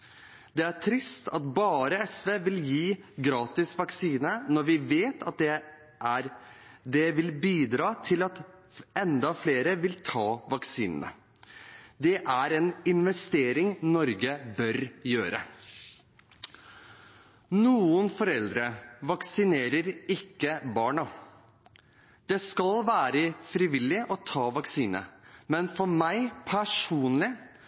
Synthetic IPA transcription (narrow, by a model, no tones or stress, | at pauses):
d̪ɛæʈʰɾɪst̪ʰɑt̪bɑːɾəɛsʋeːʋɪljiːɡɾɑːt̪ɪsʋɑksiːnənɔɾʋɪʋeːt̪ʰɑt̪̚ɛ | d̪ɛʋɪlbiːd̪ɾɑːt̪ʰɪlɑt̪ | ɛnd̪ɑfleːɾəʋɪlt̪ʰɑːʋɑksiːnə̰nə̰ | d̪ɛʔæɾɛnɪnʋɛst̪eːɾɪŋnɔɾɡəbœɾjøːɾə | nuːənfɔɾɛld̪ɾəʋɑksɪneːɾəɾɪkːəbɑːɳɑ | d̪̥ɛskɑlʋæːɾəfɾɪʋɪlːɪʔɔt̪ʰɑːʋɑksiːnə̰mɛnfɔɾmæɪpʰæʂuːnlɪ